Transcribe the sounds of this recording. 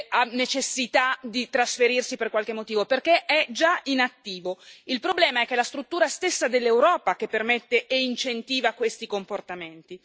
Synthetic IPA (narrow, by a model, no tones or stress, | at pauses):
anːet͡ʃesːit̪ad̪it̪ɾasfeɾirsiperkwalk̟emːot̪iːvoperk̟eʔɛd͡ʒainat̪ːiːvoilpɾoblɛːmaɛk̟ːelast̪ɾut̪ːuːɾast̪esːad̪elːewɾɔːpak̟epːermet̪ːeʔeint͡ʃent̪iːvakwest̪ikomport̪ament̪i